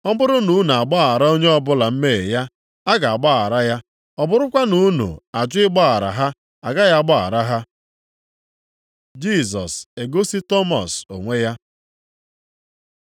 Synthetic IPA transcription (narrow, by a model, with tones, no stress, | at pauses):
ɔ˦bʊ˦ɾʊ˦nu˨˦n˨a˨ɡ͡bɔ˦a˨ɾa˦o˦ɲe˦ɔ˦bʊ˦la˨m̩˦me˦˨ja˦ | a˦ɡa˨a˨ɡ͡ba˦a̰˨ɾa˦ja˦ | ɔ˨bʊ˦ɾʊ˦kʷa˦nu˨˦nṵ˨a˨d͡ʒʊ˦ɪ˦ɡ͡bɔ˦a˨ɾa̰˨ɦa˦ | a˨ɡa˦ja˦ɡ͡bɔ˦a̰˨ɾa˦ɦa˦ | d͡ʒi˦˨s̬ɔ̰˨se˨ɡo˦si˦tɔ˦mɔ̰˨so˨ŋʷe˦ja˦